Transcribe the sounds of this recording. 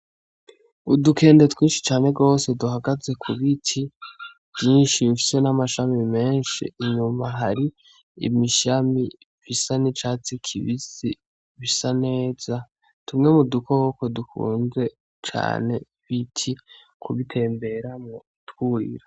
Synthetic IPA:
udukʰe̞ːndetwiːnʃi̥t͡ʃaːneɡo̞ːse̞duɦaɡaze̞kʰuβitʰi | vjiːnʃiɱfi̥se̞namaʃamime̞ːnʃḭːɲumaɦaɾi | ḭmiʃami | visanit͡ʃaːt͡sikʰḭβizi | βisane̞ːz̥a | tumŋe̞mudukʰo̞βokodukṵːnze̞ | t͡ʃa̰ːne̞ | βitʰi | kʰuβitʰe̞ːmbe̞ɾamŋo | twuːḭɾa

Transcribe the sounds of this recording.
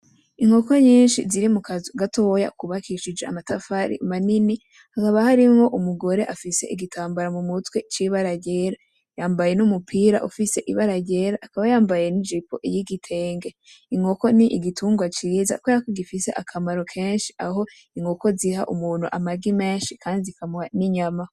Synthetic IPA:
iŋo̞ko̞ɲiːnʃiziɾimukazɡatʰo̞ja̰kuβakiʃid͡ʒea̰matafaɾḭmanini | hakaβahaɾimŋo̞ʔumuɡo̞ɾe̞ʔafise̞̰ʔiɡitʰaːmbaɾamumutwe̞t͡ʃiβaɾaɟe̞ɾa | jaːmbaje̞numupʰiːɾa̰ʔufise̞ʔiβaɾaɟe̞ɾaʔːkaβajaːmbaje̞nid͡ʒipo̞̰ʔijiɡitʰe̞ːŋɡe | iŋo̞ko̞niʔiɡitʰuːŋɡwat͡ʃiːza̰kweɾakoɡifise̞ʔakʰamaɾo̞kʰe̞ːnʃi̥ʔaɦo̞ | iŋo̞ko̞ziha̰ʔṵmuːn̥huʔamaɡime̞ːnʃikʰaːndiikʰamuaniɲama

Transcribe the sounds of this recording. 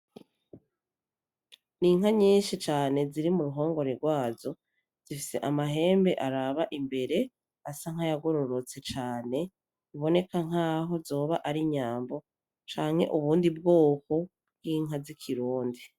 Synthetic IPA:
niŋ̥haɲiːnʃit͡ʃaːne̞ziɾimuɾuɦo̞ːŋɡo̞ɾeɾɡwaːzo̞ | z̥ifise̞̰ʔamaɦe̞ːmbe̞ʔaɾaβaʔimbe̞ɾe̞ | asaŋ̥ajaɡoɾoɾot͡se̞t͡ʃaːne̞ | uβo̞ne̞kaŋ̥aːɦo̞zo̞ːβaʔaɾiɲaːmbo̞ | t͡ʃaːŋhe̞̰ʔuβuːndibɡoːko̞ | bɡiːŋɦazikʰiɾuːndi

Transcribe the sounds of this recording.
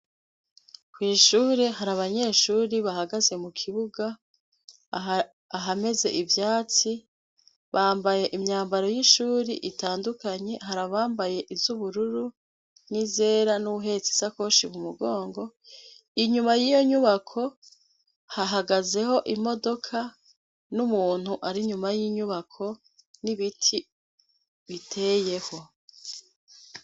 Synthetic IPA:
kwiːʃuːɾeɦaɾaβaɲe̞ːʃuːɾiβahaɡaze̞mukʰiβuɡa | aɦame̞ze̞̰ʔivjaːt͡si | βaːmbaje̞ʔimɲaːmbaɾo̞jiʃuːɾiʔitaːndukaɲe̞ɦaɾaβaːmbaje̞ʔivzuβuɾuɾu | nize̞ːɾanuuɦe̞t͡si̥sako̞ʃimumuɡo̞ːŋɡo̞ | iɲumajijo̞ɲuβakʰo̞ | haɦaɡaze̞ho̞ʔimo̞do̞kʰa | numuːn̥huʔaɾiɲumajiɲuβakʰo̞ | niβitʰi | βitʰe̞je̞ho̞

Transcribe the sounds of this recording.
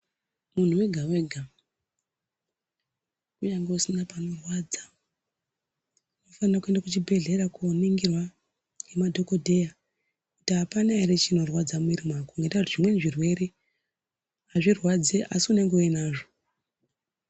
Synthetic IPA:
mun̤uwe̞ɡʱawe̞ːɡʱa | uɲaŋɡeusinapano̞rwad͡za | nofanrakuendakut͡ʃibʱe̞ɮe̞ɾakoniŋɡirwa | emadʱo̞ko̞dʱe̞ja | kutiɦapanaeɾet͡ʃino̞rwad͡zamuiɾimwakoŋɡetakutiʐimwe̞niʐirwe̞ɾe | aʐirwad͡zeʔasiune̞ŋɡeoenaːʐo̞

